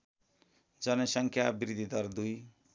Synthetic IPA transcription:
d͡zʌnʌsʌŋkʰjabiɾid̪ʱid̪ʌrd̪uj

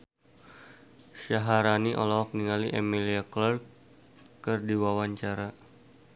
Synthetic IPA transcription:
ʃaɦaɾaniʔo̰lawak̚niŋaliʔemiliaklɔr | kɨrdiwawaɲt͡ʃaɾa

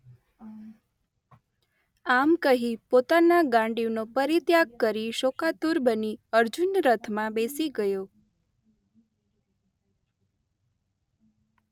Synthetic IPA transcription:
amkəɦipot̪anaɡãɳɖinopəɾit̪jaɡkəɾiʃokat̪uɾbəniəɾd͡ʒunɾət̪ʰmãbesiɡəjo

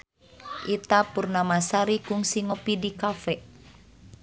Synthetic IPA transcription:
ʔit̪apurnamasaɾikuŋsiŋɔpidikafɛ

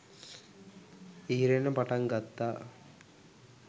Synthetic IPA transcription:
iːɾenɐpɐʈɐŋɡɐt̪ːa

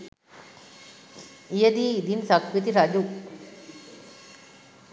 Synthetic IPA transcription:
ijɐd̪iid̪insakʋit̪iɾad͡ʒu

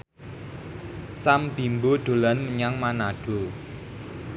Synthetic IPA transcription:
samb̥i̤mboɖ̪̥o̤lanməɲaŋmanaɖ̥o̤

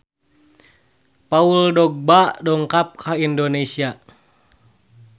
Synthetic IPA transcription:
pauldɔɡ̚badɔŋkap̚kʰaindonesia

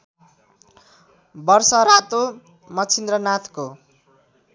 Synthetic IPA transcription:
bʌrsʌɾat̪o | mʌt͡sʰind̪rʌnat̪ʰko

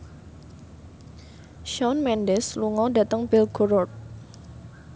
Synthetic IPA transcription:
ʃɔnmɛndɛsluŋɔdat̪əŋpɪlɡoɾɔt̪̚

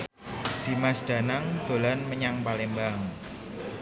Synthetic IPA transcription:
d̪̥i̤masɖ̥a̤naŋd̪̥o̤lanməɲaŋpalembaŋ

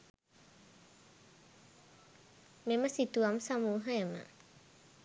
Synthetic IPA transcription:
meməsit̪uamsamuɦəemə̰

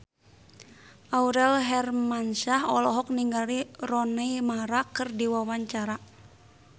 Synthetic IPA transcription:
ʔauɾɛlɦɛrmanʃaɦɔlɔɦɔk̚niŋɡalirɔnɛjmaɾakɨrdiwawaɲt͡ʃaɾa

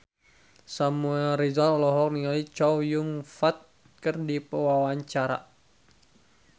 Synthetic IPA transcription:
samuɛlɾizalɔlɔɦɔk̚niŋalit͡ʃɔwjuŋfat̪̚ | kərdipəwawaɲt͡ʃaɾa̰

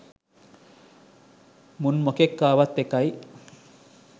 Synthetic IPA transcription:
munmokekːaːʋat̪ːekaj

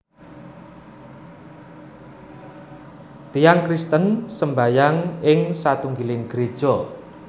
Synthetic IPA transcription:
t̪ijaŋkɾist̪ənsəmbajaŋɪŋsat̪uŋɡilɪŋɡ̥ɾed̥ʒ̥ɔ

